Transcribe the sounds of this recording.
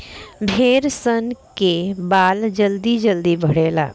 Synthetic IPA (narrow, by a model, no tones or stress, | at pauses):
bʱeːɾsənkebaːld͡ʒəld̪id͡ʒəld̪ibʱəɽeːla̰ː